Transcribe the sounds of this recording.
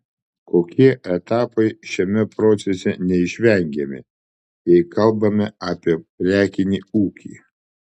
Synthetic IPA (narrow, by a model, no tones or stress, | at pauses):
koːkʲiɛʔɛt̪ɑːpɐɪʃʲɛmʲɛpɾoːt̪sʲɛsʲɛnʲɛɪʃʲʋʲɛŋʲɡʲɛmʲɪ̰ | jɛɪkɐlˠbɐmʲɛaːpʲiɛpʲɾʲæːkʲɪnʲiːuːkʲḭː